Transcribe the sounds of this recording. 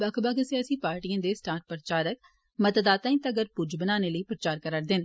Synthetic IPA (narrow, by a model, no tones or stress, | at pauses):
bəkʰbəɡəsĩəsĩːpaːɾʈiːãːd̪eːsʈaːɾʈ̚pɾət͡ʃaːɾək̚ | mət̪d̪aːt̪ãːĩːt̪ːɡəɾpʊd͡ʒbənaːneːləiːpɾət͡ʃaːɾkəɾəʈ̚d̪ɪn